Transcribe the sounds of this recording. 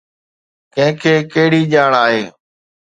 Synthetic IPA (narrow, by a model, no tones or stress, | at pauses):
kə̃ɦɪ̃kʰeːkeːɽiːʄaːɳaːɦeː